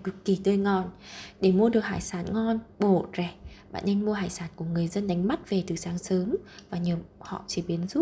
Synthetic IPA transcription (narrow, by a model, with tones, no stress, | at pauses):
kɨ˨˩kki˧˩t̪əː˧˩jŋɔ˨˩nɗe˧˩mu˧əɗɨ˨˩ək̚haː˧˩jsaː˨˦nŋɔ˧nɓo˧˩zɛ˧˩ɓa̰ː˧˨nʔe˧nmu˧əhaː˧˩jsaː˨˦nku˧˩əŋɨ˨˩əjzə˧nɗa˨˦jŋ̟ma˦˥t̚ve˨˩t̪ɨ˨˩saː˨˦ŋsəː˨˦mvaː˨˩ɲəː˨˩p̚hɔ̰˧˨t͡ɕi˧˩ɓi˨˦ənzu˦˥t̚